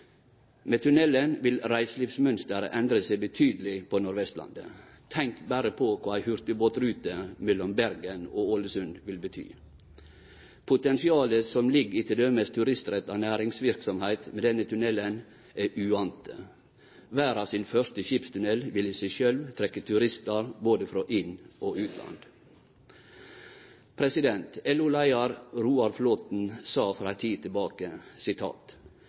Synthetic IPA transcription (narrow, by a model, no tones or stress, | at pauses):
meːt̪ʰʉnɛlːənʋɪlɾæɪsliːʋsmœnst̪əɾʔɛnd̪ɾəsæɪbət̪ʰyːd̪əlɪpʰɔnʊɾʋɛst̪lɑ̰nd̪ə̰ | t̪ʰɛŋkbæːɾəpʰɔkʰɑːæɪhʉɾt̪əboːt̪ɾʉːt̪əmɛlːɔmbæɾɡənoːoləsʉnʋɪlbət̪ʰy̰ː | pʰʊt̪ɛnsɪɑːləsɔmlɪɡɪt̪ɪd̪øməst̪ʰʉɾɪst̪ɾɛt̪ːɑːnæːɾɪŋsʋɪɾksɔmhæɪt̪mɛd̪ɛnːət̪ʰʉnɛlːən | æʔʉːɑnt̪ə | ʋæːɾɑsɪnfœʂt̪əʃɪpst̪ʰʉnɛlʋɪliːsæɪʃœlʋt̪ʰɾɛkːət̪ʰʉɾɪst̪əɾboːd̪əfɾoːʔɪnʔoːʔʉːt̪ʰlɑ̰nd̪ | pʰɾɛsɪd̪ɛnt̪ɛlʊlæɪɑɾɾuːɑɾfloːt̪n̩sɑːfɾɑːɛɪt̪ʰiːt̪ʰɪlbɑːkəsɪt̪ʰɑ̰ːt̪